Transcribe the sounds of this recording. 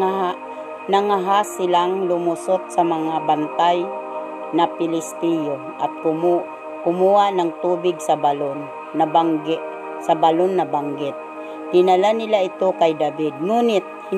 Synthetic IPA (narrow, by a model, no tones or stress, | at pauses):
aɦa | naŋaɦasɪlaŋlʊmʊsot̪̚sɐmaŋabant̪aj | napɪlɪst̪ijo | ʔat̪̚kʊmu | kʊmuhaʔnaŋt̪uːbɪɡ̚sɐbalonː | abaŋɡɪ | sabalonːabaŋɡɪt̪̚ | d̪̥ɪnalanɪlaɪt̪okajd̪abɪd̪̚nuːnɪt̪̚h